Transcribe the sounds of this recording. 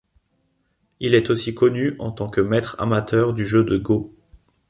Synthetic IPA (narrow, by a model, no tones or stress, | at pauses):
ilɛt̪osikɔnyɑ̰̃t̪ɑ̃kəmɛt̪χa̰mat̪ʰœʁd̪yʒød̪əɡo